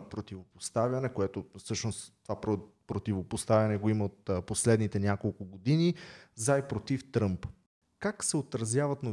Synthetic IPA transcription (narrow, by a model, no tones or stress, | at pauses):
pɾot̪ivopost̪avjɐnɛkoɛt̪ofsɤʃnost̪ovapɾopɾot̪ivopost̪avʲɐnɛɡoimɐot̪ːposlɛd̪nit̪ɛnʲjakolˠkʊɡod̪inizaipɾot̪ift̪ɾɤmp | kaksɛot̪ɾɐzjavɐt̪nov